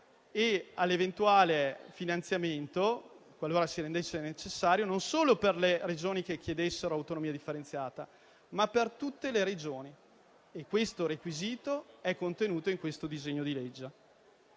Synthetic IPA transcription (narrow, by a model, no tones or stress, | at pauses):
ealːevent̪uwaːlefinant̪sjament̪o | kwalːoːɾasiɾend̪esːenet͡ʃesːaːɾjononsoːloperlered͡ʒoːnik̟ekjed̪esːeɾoawt̪onomiːad̪ifːeɾent̪sjaːt̪a | mapːert̪ut̪ːeleɾed͡ʒoːni | ekːwest̪oɾekwiziːt̪oɛkːont̪enuːt̪oiŋkwest̪od̪izeɲːod̪iled͡ʒːa